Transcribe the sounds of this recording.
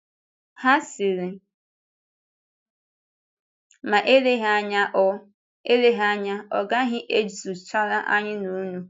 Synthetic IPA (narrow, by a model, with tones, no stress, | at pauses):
ha˦sɪ˨ɾɪ˨ | ma˨ʔe˦le˦ɦa˦ɲa˦ʔɔ˦ | e˦le˦ɦa˦ɲa˦ɔ̰˨ɡa˦ɦɪ˦ʔe˦d͡zu˨t͡ʃa˦ɾa˦ʔa˦ɲɪ˦nu˦nu˦